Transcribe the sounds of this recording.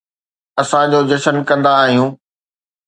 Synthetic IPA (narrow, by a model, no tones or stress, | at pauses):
ɐsãd͡ʑoːd͡ʑɐʃənkɐ̃nd̪aːɦijũː